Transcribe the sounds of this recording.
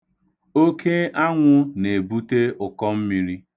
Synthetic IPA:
o˦kʰe˦ʔa˦ŋʷʊ˦ne˨bu˦te˦ʊ˨kɔ˦m̩˦mi˨ɾi˦

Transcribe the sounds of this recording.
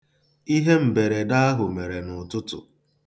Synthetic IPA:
i˦ɦe˦m̩˨be˨ɾe˨da˦a˦ɦʊ˨me˨ɾe˨nʊ˨tʊ˦tʊ̰˨

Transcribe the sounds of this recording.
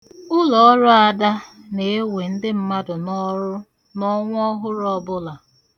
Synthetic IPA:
ʊ˦lɔ˨ɔ˦ɾʊ˦a˨da˦ne˨e˦we˨n̩˦dɪ˦m̩˦ma˦dʊ˨nɔ˦ɾʊ˦ | nɔ˦ŋʷ˦ɔ˦ɦʊ˦ɾɔ˦bʊ˦la˨

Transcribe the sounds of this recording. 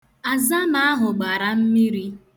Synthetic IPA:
a˨za˦ma˦a˦ɦʊ˨ɡ͡ba˨ɾa˦m̩˦mi˦ɾi˦

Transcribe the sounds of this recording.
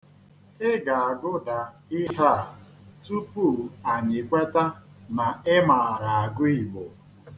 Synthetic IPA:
ɪ˦ɡa˨a˨ɡʊ˦da˨ | ɪ˦ɦa˦˨ | tu˦pu˦˨a˨ɲɪ˨kʷe˦ta˦ | na˨ɪ˦ma˨a˨ɾa˨a˨ɡʊ˦i˨bo˨

